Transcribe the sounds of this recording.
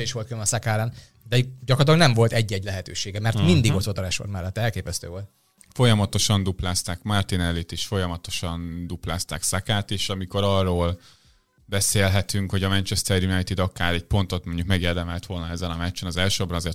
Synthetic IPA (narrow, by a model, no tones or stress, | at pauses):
iʃʋo̞lt̪kylnɒsakaːɾɛn | d̪ɛɟɒkrɒt̪lɒɡnɛɱvo̞lt̪ɛɟːɛɟlɛɦɛt̪ø̰ːʃeːɡɛmɛrmind̪iɡot̪ot̪oɾɛʃo̰rmɛlːɛt̪ːɛɛlkeːpɛst̪ø̰ːvo̞lt̪ | fo̞jɒmɒt̪o̞ʃɒnd̪uplaːst̪aːkmart̪inɛlːit̪eːʃfo̞jɒmɒt̪o̞ʃɒnd̪uplaːst̪aːksakaːt̪eːʃɒmiko̞ɾɒrːoːl | bɛseːlɦɛt̪yŋkho̞ɟɒmɛnt͡ʃɛst̪ɛrjunajt̪id̪ɒkaːɾɛɟ̚po̞nt̪o̞t̪moɲɟuk̚mɛɡeːrd̪ɛmɛlt̪ʋo̞lnɒɛzːɛnɒmɛt͡ʃːɛnɒzɛlʃøbɛnɒzeːrt̪